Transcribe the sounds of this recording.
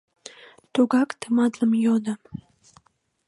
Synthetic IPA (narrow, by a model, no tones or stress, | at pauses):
t̪oɡɑkt̪əmɑd̪ləmjod̪a